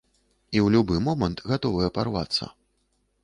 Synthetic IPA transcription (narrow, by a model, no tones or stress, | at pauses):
iwlʲubɨmɔmɐnt̪ɣat̪ɔvɐjɛpa̰rva̰t̪sːɐ̰